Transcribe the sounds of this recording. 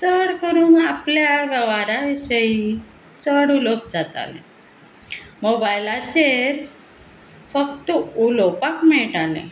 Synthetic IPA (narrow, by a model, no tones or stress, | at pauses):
t͡səɽkəɾuːnapljaʋjɛʋaɾaʋiɕəji | t͡səɽulop̚d͡zat̪a̰lḛ̃ | mobajlat͡ɕeɾ | fəkt̪əulopakmɛɭʈalḛ̃